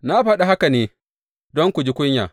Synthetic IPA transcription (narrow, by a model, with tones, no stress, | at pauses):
na˦ɸɐ˦ɗa˨ɦa˦ka˨neː˨˦ | dɔ˦ŋkʷu˨d͡ʒi˦kʷʊ˦ɲja̰ː˨